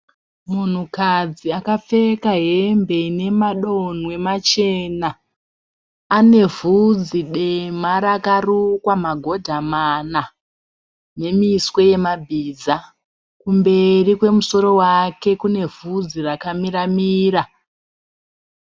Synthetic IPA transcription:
mun̤ukad͡ziakap͡fe̞kaɦe̞mbe̞ine̞maɗo̞n̤we̞mat͡ʃe̞na | ne̞vud͡ziɗemaɾakarukwamaɡʱo̞dʱamana | ne̞miswe̞je̞mabʱid͡za | kumbe̞rikwe̞muso̞ɾo̞wake̞kune̞v̥ʱud͡zirakamiramiːra

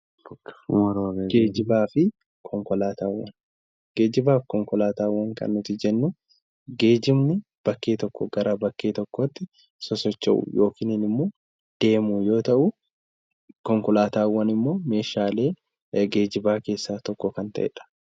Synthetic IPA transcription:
b̥ɐkɾɡeːd͡ʒɪbaːfɪ | kʰɔŋkɔlaːt̪aːwːɐ̰n | ɡ̥e̞ːd͡ʒɪbaːfkɔŋkɔlaːt̪aːwːɐŋkɐ̰nːʊt̪ɪd͡ʒɛnːʊ | ɡe̞ːd͡ʒɪmnɪ | b̥ɐkːeːt̪ɔkːɔɡɐɾɐbɐkːeːt̪ɔkːɔt̪ːɪ | sɔsɔt͡ʃːɐ̰ʔʊ̰jo̞ːkɪːnɪnɪmːoː | d̪̥e̞ːmujo̞ːt̪ɐʔʊ | kɔŋkɔlaːt̪aːwːɐnɪmːo̞ːme̞ːʃaːle̞ː | ɡe̞ːd͡ʒɪbaːke̞ːsːaːt̪ɔkːɔkɐnt̪ɐʔɛ̰ᶑɐ̥

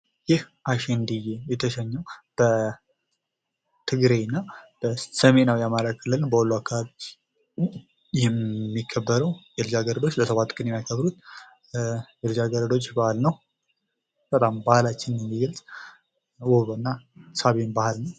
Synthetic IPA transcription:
jɪh | ʔaʃennd̪ɨjejɛt̪ʰəʃəɲːəwb̥ə | t̪ʰɨɡɾenːab̥əsəme̞nawjamaɾakʰɨlːɨlnbəholːuakʰːaβaβi | jɛmːikʰːəbːəɾəwjɛld͡ʒaɡəɾəd̪o̞t͡ʃːləsəβat̪ːkʼənjɛmːajkʰəβɾut̪ | jɛld͡ʒaɡəɾəd̪o̞t͡ʃːbahlnəw | b̥ət̪ʼambahlat͡ʃːɪnɛmːiɡəlsʼ | wuβɨnːasaβenbahalnəw

